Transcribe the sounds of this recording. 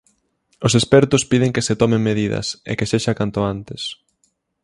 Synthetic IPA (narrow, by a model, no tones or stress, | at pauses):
osespɛɾt̪ʊspið̞eŋkeset̪ɔmeŋmeðiðɐ̰sḛkeseʃakant̪ʊant̪ɪs